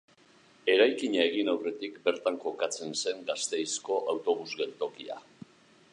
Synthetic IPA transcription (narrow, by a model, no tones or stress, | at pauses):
e̞ɾajkiɲae̞ɣ̞inawre̞t̪ikbe̞ɾt̪aŋko̞kat͡se̞nse̞ŋɡast̪e̞jsko̞ʔawt̪o̞β̞uzɣe̞lt̪o̞kia̰